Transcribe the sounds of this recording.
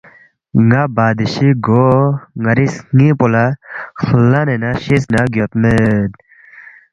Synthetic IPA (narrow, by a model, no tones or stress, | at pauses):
ŋabaːd̪iɕiɡoŋɐɾisŋĩpolaxulːanenaɕisnaɡjot̪med̪